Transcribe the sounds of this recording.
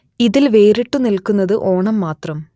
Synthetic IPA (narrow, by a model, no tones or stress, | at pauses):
iðilʋeːɾiʈːunilkunːɐðɨʔo̞ːɳɐmːaːt̪rɐm